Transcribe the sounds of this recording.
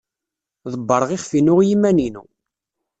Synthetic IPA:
ðˤəbːəɾˤəʁiχfinʊʁjimːæninṵ

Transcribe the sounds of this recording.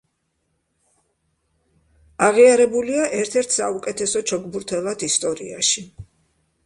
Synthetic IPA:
aʁiaɾɛbuliaʔɛɾt̪ʰɛɾt̪ʰsaukʼɛt̪ʰɛsɔt͡ʃʰɔɡʼbuɾt̪ʰɛlˠat̪ʰist̪ʼɔɾḭa̰ʃi

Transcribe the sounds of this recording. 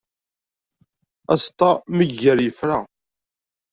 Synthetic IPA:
æ̰st̪ˤɑməʝːəɾjəfɾa

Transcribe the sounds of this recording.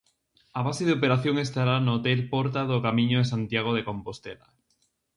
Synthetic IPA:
aβ̞aseðeopeɾaθjoŋest̪aɾanoot̪elpɔɾt̪aðokamĩɲoðesant̪jaɣ̞oðekompost̪ela̰

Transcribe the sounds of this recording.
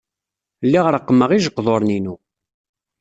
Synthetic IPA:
lːiʁəɾəqːəmːəʁiʒəqːðˤoɾˤninu

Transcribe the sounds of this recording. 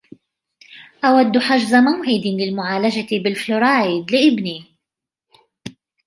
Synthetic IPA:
ʔawad̪ːħaʒzamawʕɪd̪lɪlmʊʕaːlad͡ʒat̪bɪlflʊɾˤaːjɪd̪lɪʔɪbniː

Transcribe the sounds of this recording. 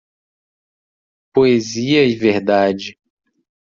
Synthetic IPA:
poeziɐiveɾd̪ad͡ʒɪ

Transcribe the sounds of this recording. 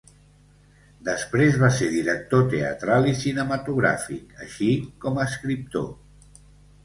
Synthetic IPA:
d̪əspɾezβaseɾðiɾək̚t̪ot̪eə̰t̪ɾalisinəmət̪uɣ̞ɾa̰fikə̰ʃikɔməskɾip̚t̪o̰

